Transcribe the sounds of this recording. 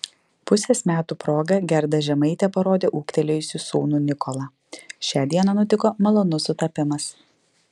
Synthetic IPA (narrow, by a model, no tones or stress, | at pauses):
pʊsʲeːsmʲæːt̪uːpɾoːɡɐɡʲɛɾd̪ɐʒʲɛmɐɪt̪ʲɛpɐɾoːd̪ʲeːʔuːkt̪ʲɛlʲejʊsʲusuːnuːnʲɪkɔlˠɐ | ʃʲæːd̪ʲiɛnɐnʊt̪ʲɪkoːmɐlˠoːnʊsʊt̪ɐpʲɪmɐs